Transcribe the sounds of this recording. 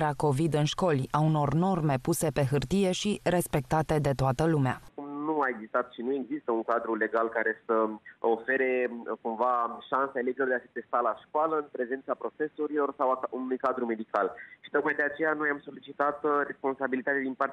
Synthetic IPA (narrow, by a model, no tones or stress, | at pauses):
ɾeako̞vid̪ɨnʃko̞lʲauno̞rno̞rme̞puse̞pe̞ɦɨrt̪ije̞ʃire̞spe̞k̚t̪at̪e̞d̪e̞t̪oat̪əlumea̰kumnuaeɡzist̪at̪ʃinue̞ɡzist̪əuŋkad̪ɾule̞ɡalkaɾe̞səofe̞ɾe̞kumvaʃansaelevd͡ʒilo̞rd̪easit̪e̞st̪alaʃkoaləɨnpɾe̞ze̞nt̪sapɾo̞fe̞soɾilo̞rsawaunujkad̪ɾume̞d̪ikalʃi̥t̪o̞k̚majd̪e̞at͡ʃe̞jano̞jamso̞lit͡ʃit̪at̪ɾe̞spo̞nsabilit̪at̪ead̪inpa